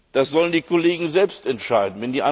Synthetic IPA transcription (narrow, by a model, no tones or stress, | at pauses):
d̥asz̥ɔləndiːkʰoleːɡŋ̩zɛlpstɛntʃaɪdn̩vɛndiːʔa